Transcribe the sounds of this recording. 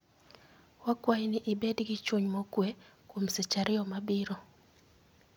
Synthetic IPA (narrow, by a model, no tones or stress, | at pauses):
wakwajnɪʔɪbedɡɪt͡ʃwoɲmokwekwomset͡ʃaɾɪjɔmabɪɾo